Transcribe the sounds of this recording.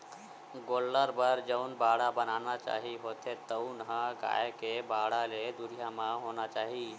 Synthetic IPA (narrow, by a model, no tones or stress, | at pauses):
ɡolːəɾbəɾd͡ʒəʊnbaɽabənanat͡ʃa̰ɦiɦot̪ʰet̪əʊnɦə̃ɡa̰ekebaɽaled̪uɾijamaɦonat͡ʃaɦi